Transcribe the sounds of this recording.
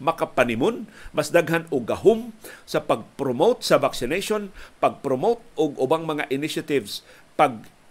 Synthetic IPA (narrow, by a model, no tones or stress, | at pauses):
mɐkapanɪmonmɐsd̪aɡɦanʊɡɐɦomsɐpɐɡ̚pɾomowt̪̚sɐvaksɪnejʃonpɐɡ̚pɾomowt̪̚ʔʊɡʊbaŋmɐŋaʔɪnɪʃat̪ɪvs | paɡ̚